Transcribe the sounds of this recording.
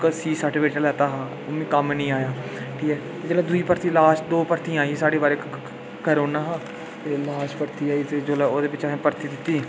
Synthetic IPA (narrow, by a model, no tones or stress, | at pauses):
ksiːsaːʈʋeːʈəlɛːt̪aːɦaː | ʊmĩːkəmnĩːaːjaːʈʰiːkɛːt̪ed͡ʒːlɛ̃ːd̪uiːpəɾt̪iːlaːʃd̪oːpəɾt̪ĩaːiɛːsaːɽeːbaːɾeːk | kəɾoːnaːɦaː | t̪eːlaːʃpəɾt̪iːaːiːt̪eːd͡ʒoːlɛːoːd̪eːbɪt͡ʃaẽːpəɾt̪iːd̪ɪt̪ːiː